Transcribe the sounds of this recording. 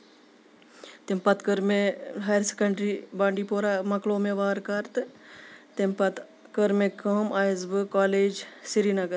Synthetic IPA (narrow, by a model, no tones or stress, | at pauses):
t̪impɐt̪kəɾmeɦaːjɾse̥kɐɳɖɾibãːɳɖipoːɾamɐkloːmẽʋaːɾkɐɾt̪ | t̪empɐt̪ | kɐɾmẽkoːmaːjzbɨkaːleːd͡ʒsiɾiːnɐɡəɾ